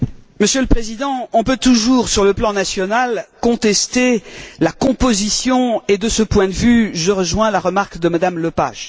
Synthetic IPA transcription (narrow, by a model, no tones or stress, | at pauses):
məsjøləpχezid̪ɑ̃ɔ̃pøt̪uʒuʁsyʁləplɑ̃nasjɔnalkɔ̃t̪ɛst̪elakɔ̃pozisjɔ̃ed̪əsəpwɛ̃d̪əvyʒəʁəʒwɛ̃laʁəmaʁkd̪əmad̪amləpa̰ʒ